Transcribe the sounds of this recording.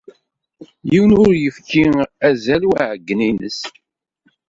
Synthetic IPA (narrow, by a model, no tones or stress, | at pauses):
jiwənʊɾjəfkiæzælwaʕɡːəninə̰s